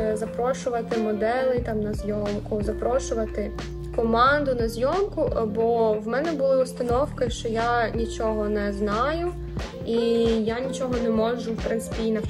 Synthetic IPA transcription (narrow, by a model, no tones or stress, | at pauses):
zɐpɾɔʃʊʋɐt̪ɪmɔd̪ɛlˠɪt̪ɑmnɐzʲjɔmkʊzɐpɾɔʃʊʋɐt̪ɪ | kɔmɑnd̪ʊnɐzʲjɔmkʊbɔwmɛnɛbʊlˠɪʊst̪ɐnɔwkɪʃt͡ʃɔjanʲit͡ʃɔɦɔnɛznɑjʊ | ijanʲit͡ʃɔɦɔnɛmɔʒʊwpɾɪnt̪sɪ̥pʲinɐ